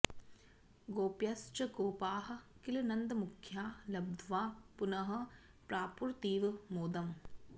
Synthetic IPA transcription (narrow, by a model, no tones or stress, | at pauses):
ɡoːpjɐst͡ʃɐkoːpaːɦɐ̆kilɐnɐnd̪ɐmukʰjaːlɐb̚d̪ʱʋaːpunɐɦɐ̆ | pɾaːpuɾt̪iːʋɐmoːd̪ɐm